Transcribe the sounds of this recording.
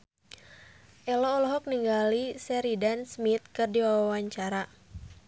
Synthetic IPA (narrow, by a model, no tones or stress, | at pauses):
ʔɛlɔːlɔɦɔk̚niŋɡalisɛɾidansmit̪̚kɨrdiwawawaɲt͡ʃaɾa